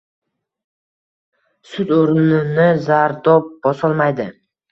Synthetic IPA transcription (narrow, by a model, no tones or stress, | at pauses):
sʊt̪oɾnɪnɪzaɾd̪ɒp̚bɒsɒlˠmajd̪ɪ